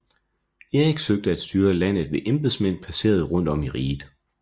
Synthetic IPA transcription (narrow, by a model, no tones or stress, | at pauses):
eeɡ̥søɡ̥̚d̥əæd̥sd̥yːɐlæn̰ð̩ˠʋe̝ʔemb̥eðˠsmen̰pʰæse̝̰ːɐð̞̩ˠʁɔ̽n̰d̥ɒ̽miʁiːd̥ˠ